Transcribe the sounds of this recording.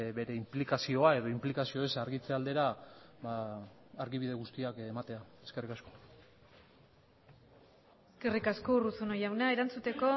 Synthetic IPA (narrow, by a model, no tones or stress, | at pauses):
βe̞ɾe̞implikasio̞ae̞ðo̞implikasio̞esaɾɣit͡seald̪e̞ɾaβaː | ɾɣiβiðe̞ɣust̪iakemat̪e̞aeske̞rikasko̞̥ | eske̞rikasko̞urut͡sunojawnae̞ɾant͡sut̪e̞ko̞